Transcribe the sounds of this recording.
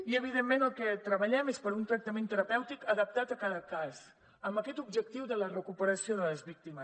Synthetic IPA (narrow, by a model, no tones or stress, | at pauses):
iəβ̞iðemːenəlˠkɛt̪ɾəβəʎɛmespəɾunt̪ɾək̚t̪əmẽnt̪əɾəpɛwt̪ikəðəp̚t̪at̪əkaðəkas | əmbəkɛt̪ub̚ʒək̚t̪iwðələrəkupəɾəsioðələzβik̚t̪iməs